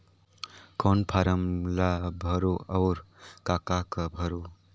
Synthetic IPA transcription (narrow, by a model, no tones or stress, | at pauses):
konpʰaɾəmlabʱəɾoʌʊɾkakakəbʱəɾo